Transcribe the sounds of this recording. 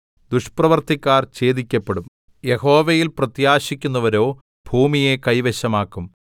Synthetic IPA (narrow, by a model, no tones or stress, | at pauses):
d̪uʂprɐʋɐrt̪ikʲːaːrt͡ɕe̞ːðikʲːɐpːeɽum | je̞ho̞ːʋejilprɐt̪jaːɕikʲːunːɐʋɐɾo̞ː | bʱuːmije̞kɐjʋeɕɐmaːkːum